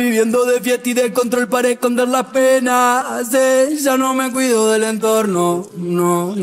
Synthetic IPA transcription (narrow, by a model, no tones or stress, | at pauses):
iβjɛnd̪oðefjɛt̪ːiðekont̪ɾoilpaɾekːond̪eɾlapenaseʒanoŋmek̬wiðoðelent̪oɾnono